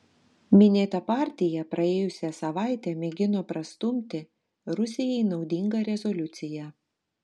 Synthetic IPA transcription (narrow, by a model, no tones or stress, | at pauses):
mʲɪnʲeːt̪ɐpɑːˑɾʲt̪ʲɪjɛpɾɐeːjʊsʲɛsɐʋɑˑɪt̪ʲɛmʲɛɡʲɪnoːpɾɐst̪ʊmʲt̪ʲɪ | ɾʊsʲɪjɛɪnɒʊd̪ʲɪŋɡɐɾʲɛzɔlʲʊt̪sʲɪjɛ